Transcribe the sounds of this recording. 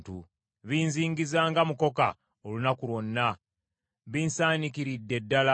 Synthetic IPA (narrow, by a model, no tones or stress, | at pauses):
tṵ | βiːnziːŋɡizaːŋɡamuko̞ka̰ | olunakulwo̞nːa | βiːnsaːnikiɾidːe̞dːala